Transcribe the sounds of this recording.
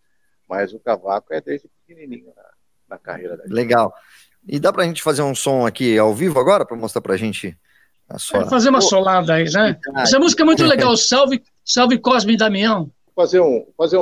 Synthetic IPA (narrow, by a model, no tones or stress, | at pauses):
mɐjzʊkavakʊɛd̪ezd͡ʒɪpi̥kenĩnĩɲʊnɐ̰ | nɐka̰hejɾɐd̪ɐleɡaw | ɪd̪apɾɐʒẽt͡ʃɪ̥fazeɾũsõakiawvivʊaɡɔɾɐpɾɐmost̪ɾapɾɐʒẽnt͡ʃɪ | ɐ̰suɐfazeɾũmɐsolad̪ɐinɛasɐmuzikɐɛmũj̃t̪ʊleɡawsawvɪ | sawvɪkɔzmĩd̪amĩɐ̃w̃ | fazeɾũfazeɾ̃